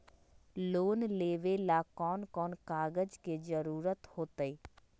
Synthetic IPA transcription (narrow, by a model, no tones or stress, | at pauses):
loːnleːʋelakɔːnkɔːnkaːɡəd͡ʒked͡ʒəɾuːɾət̪hoːt̪əiː